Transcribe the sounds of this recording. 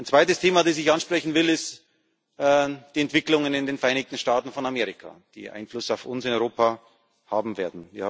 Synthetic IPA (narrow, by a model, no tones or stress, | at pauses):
aɪnt͡sv̥aɪtəstʰeːmadeːsɪçanʃpʁ̥ɛçn̩vɪlɪstː | d̥iːɛntv̥ɪklʊŋənɪndeːnfɛɐʔaɪnɪk̚tn̩ʃtaːtn̩fɔnameːʁɪkʰa̰d̥ḭːʔa̰ɪnflʊsaʊfʊnsɪnɔʏʁoːpa | haːbm̩veːɐdn̩viːɐh